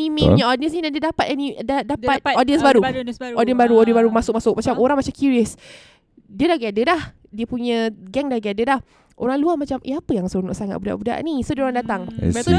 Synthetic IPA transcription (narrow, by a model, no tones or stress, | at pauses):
mĩmiɲəɔdiəns̬nidandiədapat̪anidadapat̪̚ɔdiənsbaɾuɔdiənbaɾuɔdiəbaɾumasʊk̚masʊk̚mat͡ʃamoɾaŋmat͡ʃamkuɾiəs | diədahɡiadədah | diəpuɲə̃ɡɛŋdahɡadədah | ʔo̰ɾaŋluamat͡ʃamʔə̰apəjaŋsəunɔ̰ʔsaŋa̰t̪̚buda̰ʔbuda̰ʔnisodiəoɾaŋndat̪aŋ̰